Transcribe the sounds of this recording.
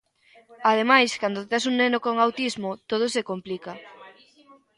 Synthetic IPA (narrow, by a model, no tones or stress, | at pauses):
aðemajskand̪ot̪as̬uŋnenokoŋawt̪izmot̪oð̞osekomplika